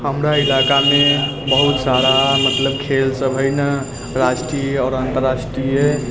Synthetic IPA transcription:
həmɾailakame | bəɦut̪saɾamət̪ləb̚kʰelsəbʱəɪnə | ɾaʃʈɾiɔːɾant̪əɾasʈɾie

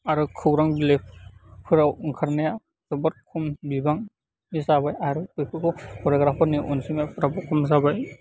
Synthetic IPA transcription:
aɾɯkʰɯwɾaŋbilek̚pʰɯɾawŋkʰaɾnaja | zɔbɔɾ̚kʰumbibaŋ | nizabajaɾɯpɯpʰɯkɔwpʰɔɾɔɡɾapʰaniʔɔnsimapɾabɔkʰumzabaj

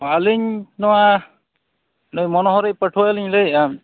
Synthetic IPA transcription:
aliɲnɔwa | nɔjmɔnɔɦɔɾejpəʈʰuwaliɲleja

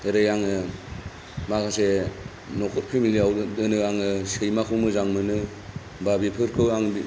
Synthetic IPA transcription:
eɾejaŋɯ | makʰase | nɔkʰɔt̚pʰimiliawdɯnɯaŋɯsejmakʰɯwmɯzaŋmɯnɯ | babipʰɯɾkʰɯwaŋbi

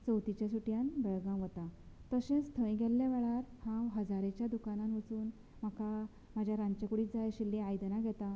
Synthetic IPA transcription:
t͡səwt̪it͡ɕjasuʈjanbəɭɡãʋət̪at̪əɕẽst̪ʰəĩɡʱɛlːjaʋɛɭaɾhãwɦəd͡zaɾet͡ɕjad̪ukanãnʋət͡suːn | m̤aka | mad͡ʑʱjaɾãɲt͡ɕəkuɽiːt̪̚d͡zajɕilːeajd̪naɡʱɛt̪a

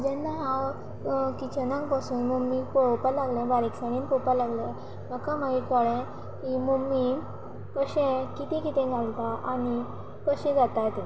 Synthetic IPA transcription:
d͡ʑɛnːaɦãw | kit͡ɕənãŋkpasuːnmumipopalaɡlẽbaɾiksaɽ̃iːnpɔwpalaɡlẽ | məkãmaɦikaɭẽ | ɦimumːi | kəɕẽkit̪ikit̪ẽɡʱalt̪aʔañi | kəɕẽd͡zat̪at̪

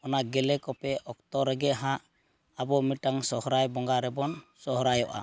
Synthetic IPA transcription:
ɔnaɡɛlɛkɔpɛɔk̚t̪ɔɾɛɡɛʔɦãʔ | abɔmiʈaŋsɔhɔɾajbɔŋɡaɾɛbɔnsɔɦɔɾajɔʔa̰

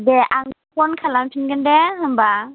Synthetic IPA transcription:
dɛʔaŋpʰɔnkʰalampʰinɡɯndɛɦɯmba

